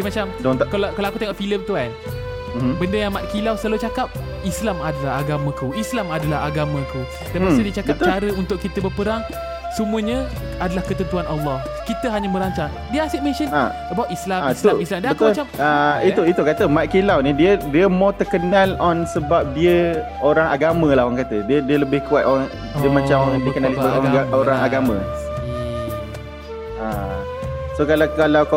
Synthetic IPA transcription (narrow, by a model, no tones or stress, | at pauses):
imat͡ʃamd̪kalkaloakut̪eŋɔʔfiləmt̪ukan | mmbəndəjaŋmat̪̚kilawsalut͡ʃakap̚ | islamadalaɦaɡamãkuislamadalaɦaɡamãku | dasədiət͡ʃakap̪̚t͡ʃaɾəunt̪ʊʔkit̪əbəpəɾaŋ | səmũəɲə̃ | adalahkət̪ənt̪uanʔɑlːɔh | kit̪əɦaɲə̃məɾaɲt͡ʃaŋ | diəasit̪̚mesənəbawtʔislaat̪uilamdibət̪ʊmlt͡ʃamait̪uit̪ukat̪əmaʔ̪̚kilawnidiədiəmɔt̪ərkənãlɔnsəbap̚diə | oɾaŋaɡamə̃lahwaŋkat̪ədiədiələbɪhkuat̪̚ɔŋ | diəmat͡ʃamdikənalisbaoɾaŋaɡamə̰̃ | a | sokalakalawka